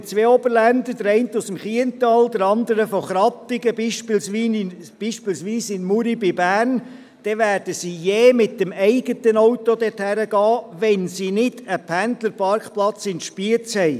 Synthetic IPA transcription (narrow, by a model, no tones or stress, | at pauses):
t͡sʋeːɔbəɾlænd̪əd̥əɾɛɪnt̪usəmχiəntɑːld̪əɾɑnd̪əɾəfɔχɾɑpɪɡəbiːʃpɪlsʋiː | b̥iːʃpilsʋiːsɪnmuɾibɪbæːrn | d̥ɛʋæːɾd̥əsiːjeːmɪt̚dəmɛɪɡətənɔwtod̪ɛthæɾəɡ̥ɑːʋɛnsinɪd̥əpʰændləɾpɑɾkχplɑt͡sɪntʃpiət͡shɛɪ